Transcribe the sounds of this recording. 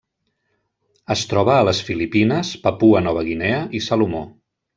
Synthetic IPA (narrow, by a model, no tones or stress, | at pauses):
əst̪ɾɔβəːləsfilipinəspəpuənɔβəɣinɛəʔisalumo̰